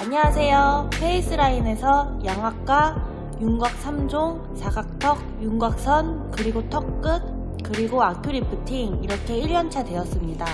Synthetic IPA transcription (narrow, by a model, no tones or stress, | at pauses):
aɲiasʰe̞jopʰe̞is͈ʰɯɾaine̞sʰʌjaŋɦwak̚k͈a | juŋɡwak̚sʰamd͡ʑoŋ | sʰaɡak̚tʰʌk̚juŋɡak̚s͈ʰʌnkɯɾiɡotʰʌk̚k͈ɯt̚ | kɯɾiɡoakʰjoɾipʰɯtʰiŋiɾʌkʰe̞iʎːʌnt͡ɕʰadwe̞ʌs͈ɯmɲida